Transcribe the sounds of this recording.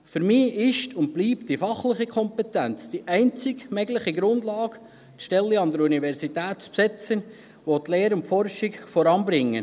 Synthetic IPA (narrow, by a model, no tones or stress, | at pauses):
fʏɾmiːɪʃtʰʊnt̚b̥liːptdifɑχlɪχikʰɔmpɛtænt͡sd̥iʔɛɪnt͡sɪɡmɛɡləχiɡɾʊndlɑːɡ | tʃtɛlːiɑnd̪əɾuniʋɛɾsitæːtt͡spsɛt͡sən | ʋot̪leːɾʊnfɔrʃikfɔɾɑnbɾɪŋːə